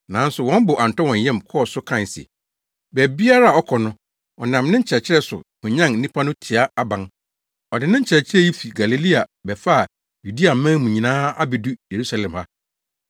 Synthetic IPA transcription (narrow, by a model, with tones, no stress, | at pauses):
nã˨˦n̩˦sʊ˨wɔ̃˦m˦bʊ˨ʔa˨n˨tɔ˦wɔ̃˨ɲ˨jɛ̃˦mkʰɔ˦˨sʊ˦kʰã˦˨sḭ˨ | bæ˨bi˦a˦ɾa˦˨ɔ˦kʰɔ˨nʊ̃˦ | ɔ̰˨nã˨mnɪ̃˦ɲ̩˦t͡ɕʰɛ˨t͡ɕʰɪ˦ɾɛ˦sʊ̰˨kʊ̃˨ɲã˦ŋ̩˦nĩ˦pʰa˦nʊ̃˦tʰɪ˨a˦a˦bã˨ŋ | ɔ˨dɪ˨nɪ̃˦ɲ̩˦t͡ɕʰɪ˨ɾɛ˨t͡ɕʰɪ˦ɾɛ˦ji˦fi˨ɡa˨li˨li˦a˨bɛ˨fa˦˨ | ju˨di˦a˨m˨mã˦mũ˨ɲĩ˨nãː˦a˦bɪ˨du˦je˨ɾu˦sa˨lɛ̃˨mha˦